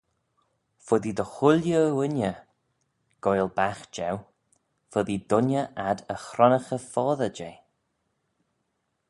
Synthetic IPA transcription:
fʊðid̪əxʊljəwɪnʲjə | ɡ̥ɔjlˠbaxd͡ʒɛw | fʊðid̪ʊnəʔad̪əxɾɔnəxəfɔːðəd͡ʒeː

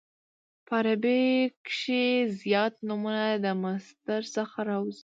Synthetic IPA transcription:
paɾabekʃezjɑt̪numunad̪əmast̪əɾsəxaɾɑwz

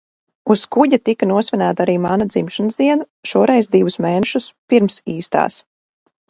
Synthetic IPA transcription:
uskuɟat̪ikanuɔsvʲɛnæːt̪aɾiːmanad̪zimʃanzd̪iɛna | ʃuɔɾɛjzd̪ivusmeːnɛʃuspiɾmsiːst̪a̰ːs

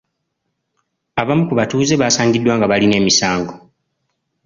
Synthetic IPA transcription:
aβamukuβatuːze̞βaːsaːŋɡidːwaːŋɡaβaline̞ːmisaːŋɡo̞

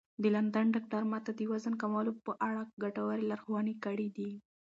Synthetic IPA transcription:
d̪əland̪anɖak̚ʈaɾmat̪ad̪əjwazənkamɑlopəʔaɽaɡaʈawaɾelaɾxwɑnikaɽid̪i

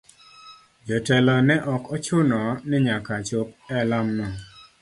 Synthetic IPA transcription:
d͡ʒɔtɛlɔnɛʔɔkɔt͡ʃʊnɔnɪɲakat͡ʃop̚ɛlamːɔ

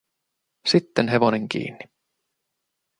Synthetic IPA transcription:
sit̪ːenɦeʋo̞ne̞ŋk̟ḭːnːi

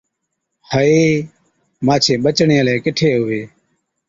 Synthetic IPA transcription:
həeː | mãːt͡ʃʰeːɓət͡ʃɳeːəleːkɪʈʰeːɦʊeː

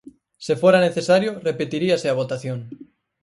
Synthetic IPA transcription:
sefoɾaneθesaɾjorepet̪iɾiaseaβ̞ot̪aθjõŋ

